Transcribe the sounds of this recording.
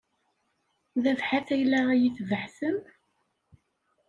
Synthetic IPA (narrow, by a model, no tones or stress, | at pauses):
ðævħaθæjlææjiθvəħθəm